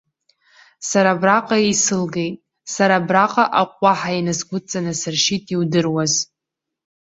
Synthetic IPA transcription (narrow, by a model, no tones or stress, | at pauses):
saɾabraqʼaejsɨlɡe̞jtʼ | saɾabraqʼaʔaqʷʼːaħainɨzɡʷʊt͡sʼanɨsɨrʃitʼiwdɨrwaz